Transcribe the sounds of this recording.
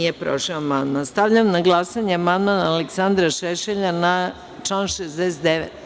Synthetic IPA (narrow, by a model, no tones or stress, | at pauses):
jepɾoʃeoamand̪manst̪aʋʎamnaɡlˠasaɲeamand̪manaaleksand̪ɾaʃeʃeʎana | t͡ʃlanʃezd̪eset̪d̪eʋet̪